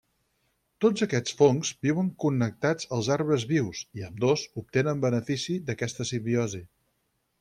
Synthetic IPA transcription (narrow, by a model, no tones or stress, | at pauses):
t̪od͡zəkɛt͡sfoŋzbiwəŋkunːək̚t̪ad͡zəlˠzaɾβəzβiwsiəmd̪ozup̚t̪enəmbənəfisiðəkɛst̪əsimbiɔzi